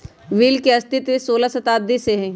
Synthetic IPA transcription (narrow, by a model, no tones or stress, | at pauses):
ʋiːlkeɐst̪ɪt̪ʋɪsoːlasɐt̪aːd̪iseɦɛ̃ː